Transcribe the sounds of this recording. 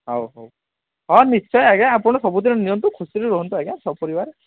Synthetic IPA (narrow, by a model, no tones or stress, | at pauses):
ɦɔwɦow | ɦɔnist͡ʃɔjaɡaapɔɽ̃ɔsɔbud̪inɔnijɔnt̪ukʰusiɾeɾɔɦɔnt̪uaɡasʰɔpɔɾibaɾe